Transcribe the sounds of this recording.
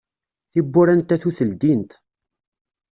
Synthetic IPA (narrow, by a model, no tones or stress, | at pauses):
θibːʊɾænt̪æθuθəld̪int̪